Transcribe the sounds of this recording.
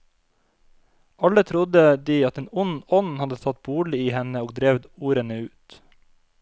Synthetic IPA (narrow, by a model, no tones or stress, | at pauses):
ʔɑlət̪ʰɾʊd̪əd̪iːɑt̪eːnʊnɔnhɑd̪əsʰɑt̪̚buːɭɪiːhɛnəoːɡ̚d̪ɾeːʋd̪uːɾənəʉːt̪